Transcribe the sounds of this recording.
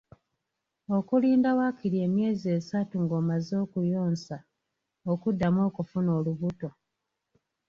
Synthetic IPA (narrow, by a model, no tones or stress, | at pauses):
o̞kuliːndawakiɾie̞ːmje̞ːzieːsatuŋɡo̞ːmazo̞ːkujo̞ːnsa | okudːamo̞ːkufuno̞ːluβuto̞